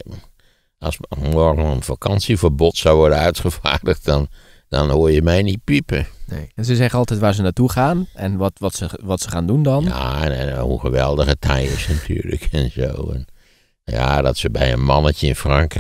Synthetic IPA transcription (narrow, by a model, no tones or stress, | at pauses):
ɑ̰smɔrɣənənfakʰɑnsifərbɔtsɔwʋɔɹdənœɥtχəv̥a̰ːrdəxt̚dɔn | dɔnhoəjəmɛjnit̚pipəneɛnsəzɛɣənɔlˠtɛtʋaːɹs̬zənaːtuχaːnɛnʋɔtʋɔtsəʋɔtsəχaːndundɔnja̰ɛhuxəʋɛlˠdəɣətʰajɪ̰snatʰy̰ːrlə̰kʰɛnzo̰ːɛ̰n | ja̰dɔtsəbɛjə̰nmɑnəcəɪnfrɑŋk